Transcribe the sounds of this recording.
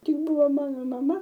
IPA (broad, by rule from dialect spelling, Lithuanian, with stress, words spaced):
ˈtʲɪk ˈbʊʋoː ˈmɑːnoː mɐˈmɐ